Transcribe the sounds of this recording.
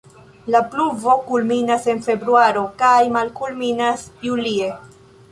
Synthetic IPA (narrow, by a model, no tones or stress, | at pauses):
lapluvo̞kulminase̞nfe̞bɾuaɾo̞kajmalkulminasjulie̞